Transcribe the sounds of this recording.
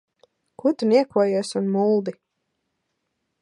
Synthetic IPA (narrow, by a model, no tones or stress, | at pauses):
kut̪uniɛkuɔjuɔsunmulˠd̪i